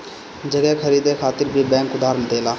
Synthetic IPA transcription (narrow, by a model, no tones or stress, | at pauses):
d͡ʒəɡɛːkʰəɾiːd̪eːkʰaːt̪ɪɾbʱiːbɛ̃ːŋkʊd̪aːɾənt̪eːlaː